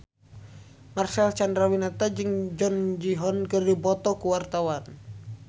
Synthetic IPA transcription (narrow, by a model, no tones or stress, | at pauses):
marsalt͡ʃandɾawinat̪ad͡ʒɨŋd͡ʒɔnd͡ʒiɦɔnkɨrdibɔt̪ɔkuwart̪awan